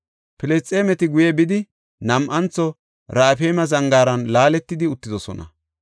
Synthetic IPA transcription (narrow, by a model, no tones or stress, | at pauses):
pɪlɛst͡sʼeːmɛt̪ɪɡʊjɛbɪd̪ɪ | nɐmʔɐnt͡sːɔ | ɾaːfeːmɐzɐŋɡaːɾɐnlaːlɛt̪ːɪd̪ɪʊt̪ːɪd̪ɔsɔ̰nɐ̰